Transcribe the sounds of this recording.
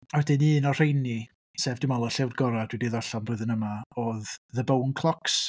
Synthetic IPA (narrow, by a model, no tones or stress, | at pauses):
awɛdɨnɨːnɔr̥ejni | seːvdɪmɔlˠɔɬɛwrɡɔɾad̥widiðɔɬanrʊɨðənəmaoððəbownkʰlˠɔks